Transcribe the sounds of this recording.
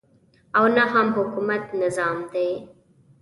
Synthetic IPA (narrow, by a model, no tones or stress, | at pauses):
awnaɦamɦʊkumat̪nɪzɑːmd̪aj